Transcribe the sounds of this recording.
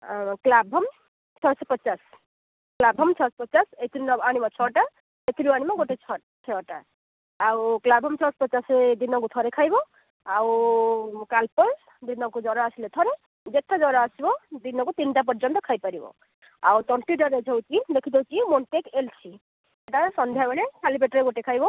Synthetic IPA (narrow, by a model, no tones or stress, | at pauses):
klabʱɔm | t͡ʃʰɔɾsɔpət͡ʃas | klabʱʌmt͡ʃʰɔspʌsaset̪ʰɾinɔbañibɔt͡ʃʰɔʈa | et̪ʰɾiañimaɡoʈet͡ʃʰɔ | t͡ʃʰɔʈa̰ː | wklabʱɔmt͡ʃʰɔɾspɔt͡ʃased̪inɔkut̪ʰɔɾekʰajbɔ | aw | kalpɔl | d̪inɔkud͡ʒɔɾɔasilet̪ʰɔɾe | d͡ʒeʈ̪ʰːad͡ʒɔɾaasibɔd̪inɔkut̪inʈap̬ɔɾd͡ʒɔnt̪ɔkʰajpaɾibɔ̰ | a̰wt̪ɔɳʈiɖɔɾed͡ʒʱɔwt͡ʃid̪ekʰid̪ʰʱewt͡ʃimoɳʈekelt͡ʃʰi | eʈasɔnd̪ʱjabɔɽekʰalipeʈɔɾeɡoʈekʰajbɔ